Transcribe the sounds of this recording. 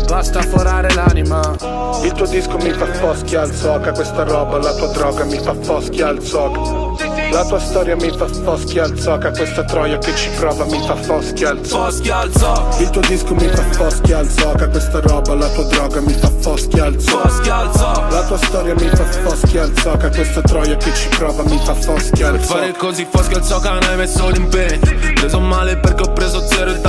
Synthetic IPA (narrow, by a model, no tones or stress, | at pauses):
bast̪afoɾaːɾelanima | ilt̪uːod̪iskomifafɔskjalsɔːkakwest̪aɾɔːbalat̪uːad̪ɾɔːɡamifafɔskjalsɔːkḁ | lat̪uːast̪ɔːɾjamifafɔskjalsɔːkakwest̪at̪ɾɔːjaket͡ʃːi̥pɾɔːvamifafɔskjaalsɔ | ilt̪uːod̪iskomifafɔskjalt̪sɔkakwest̪aɾɔːbalat̪uːad̪ɾɔːɡamifafɔskjaalt̪sɔ | l | lat̪uːast̪ɔːɾjamifafɔskjalt̪sɔːkakwest̪at̪ɾɔjaket͡ʃːi̥pɾɔːvamifafɔskjaalsfɔaɾekozifɔskjalsɔkanajmesːolimpɛt͡ʃopɾezomaleperkeɔpːɾeːzod̪zɛːɾoilt̪